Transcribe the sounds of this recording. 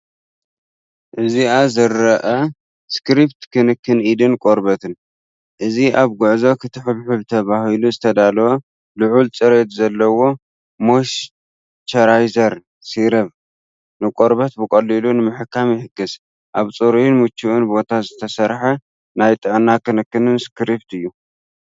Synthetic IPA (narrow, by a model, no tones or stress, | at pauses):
ʔɨziazɨɾːɐʔɐ | skɾipt̪kʰɨnɨkʰːɨnʔid̪ɨnkʼoɾbɐt̪ɨn | ʔɨziʔaβɡʊʕzokʰɨt̪ʰɨħɨβħubɨt̪ʰɐβahiluzɨt̪ʰɐd̪alo | lɨʕult͡sʼɨɾet̪zɐlːɐwo̞ | moʃ | t͡ʃ̪ʰɐɾajzɐɾ | siɾɐβ | nɨkʼo̞ɾbɐt̪̚bɨkʼɐlːilunɨmɨħɨkːamjɪħɨɡɨs | ʔaβt͡sʼoɾjnmut͡ʃːuʔunbo̞t̪ʰazɨt̪ʰɐsɐɾħɐ | najt̪ʼɨʕnakɨnɨkːɨnɨnskɾipt̪ɨjːu